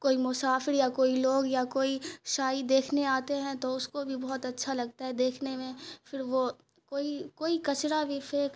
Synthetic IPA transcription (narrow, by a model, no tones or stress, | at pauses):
koːimʊsaːfɪɾjakoːiloːɡjakoːiʃaːid̪eːkʰneaːt̪eɦɛ̃t̪oʊskobʱibɔɦːʊt̪ɐtːʃʰalɐɡ̚t̪aɦɛd̪eːkʰnemẽfɪɾʋo | koːikoːikɐt͡ʃɾabʱifeːk